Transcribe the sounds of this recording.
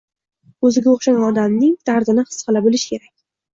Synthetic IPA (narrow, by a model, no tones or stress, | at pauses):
ɵzɪɡʲaoχʃanʲɒd̪amnɪŋt̪ʰaɾd̪ɪnɪhɨ̥sqɨlabɪlɪʃkʲʰe̞ɾakʲ